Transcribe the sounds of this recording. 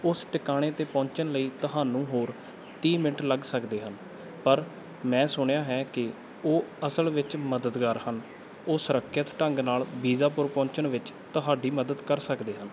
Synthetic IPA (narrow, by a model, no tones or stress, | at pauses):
ʊsʈɪkaːɽ̃eːt̪eːpɔ̃ːɲt͡ʃənləiːt̪əɦaːnũːɦoːɾ | t̪iːmɪnəʈləɡsəkd̪eːɦən | pəɾ | mɛ̃ːsʊɳjaːɦɛːkɪ | oːəsəlʋɪt͡ʃməd̪əd̪ɡaːɾhən | oːsəɾəkʰːjət̪ʈəŋɡnaːlbiːzaːpʊɾpɔ̃ːɲt͡ʃəɳʋɪt͡ʃt̪əɦaːɖiːməd̪əd̪kəɾsəkd̪eːɦən